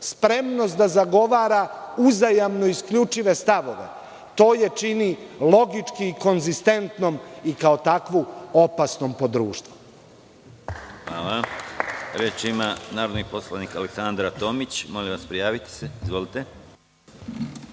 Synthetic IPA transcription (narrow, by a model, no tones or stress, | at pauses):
spɾe̞mno̞st̪d̪azaɡo̞ʋaːɾauzajamnoiskʎut͡ʃiʋe̞st̪aʋo̞ʋe̞̰ | t̪o̞ːje̞t͡ʃinilˠo̞ɡit͡ʃkiːko̞nzist̪e̞nt̪no̞mikaot̪akʋuo̞pasno̞mpo̞d̪ɾuːʃt̪ʋu | xʋa̰ːla | ɾet͡ʃimanaːɾod̪niposlˠanikaleksand̪ɾat̪oːmit͡ɕmoliʋaspɾijaːʋit̪i̥seizʋo̞lit̪e